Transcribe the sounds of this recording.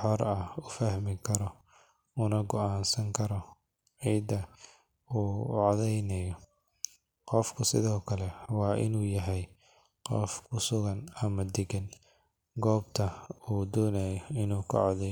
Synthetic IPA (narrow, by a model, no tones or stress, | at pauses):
ħɔrɐʊfɐhmɪkʰɐɾɔ | ʊnɐɡɔʔaːnsɐŋkʰɐɾɔ | ʕiːd̪ɐ | uːʕɑðɛjnɛjɔ | qɔfkʰʊsɪ̰ðɔːkʰɐlɛwɑːʔɪ̰nuːjɐɦɛj | qɔ̰fkʰʊsʊɣɐnɐmɐd̪ɛɡɐn | ɡɔːbt̪ʰɐuːd̪ɔːnɐjɔɪnuːkʰɐ̰ʕɑðɛj